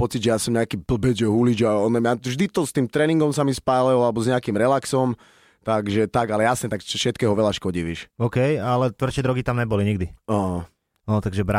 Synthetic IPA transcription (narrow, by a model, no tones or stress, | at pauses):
pɔt͡sid͡ʑʒɛjasɔmɲɛakiːbl̩bɛʒɛɦulid͡ʒaɔnɛmɲavʒd̪it̪ɔst̪iːmt̪ɾɛːniŋɡɔmsamispaːlɛlɔalɛbɔzɲɛakiːmɾɛlaksɔm | t̪aɡʒɛt̪aɡalɛjasɲɛt̪akt͡ʃɔʃɛt̪̚kɛːɦɔʋɛʎaʃkɔɟiʋɛʃɔkɛjalɛt̪ʋr̩t͡ʃɛd̪ɾɔɡit̪amɲɛbɔliɲiɡd̪iɔ | ɔt̪aɡʒɛba